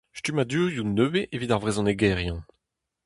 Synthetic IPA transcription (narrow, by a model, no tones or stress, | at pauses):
ʃtymad̪yːʁjunøweʔevit̪aʁvʁezɔ̃neɡɛʁjɑ̃